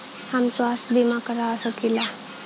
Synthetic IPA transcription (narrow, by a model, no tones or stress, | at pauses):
hamsoasb̪imakəɾaəsəkila